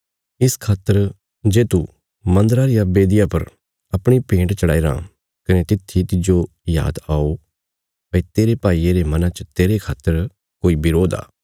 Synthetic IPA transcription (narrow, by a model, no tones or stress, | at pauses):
ɪskʰaːt̪ːəɾ | d͡ʒeːt̪u | mɐ̃nd̪ɾaɾijabeːd̪ɪjapɐɾ | ɐpɽ̃ipẽːɳʈt͡ʃɐɽaːiɾã̰ː | kɐnet̪ɪt̪ʰːit̪ɪd͡ʒo | ja̰ːd̪aːo | pet̪eːɾepaːieɾemɐnãt͡ʃət̪eːɾekʰaːt̪ːəɾ | koːibɪɾoːd̪a̰ː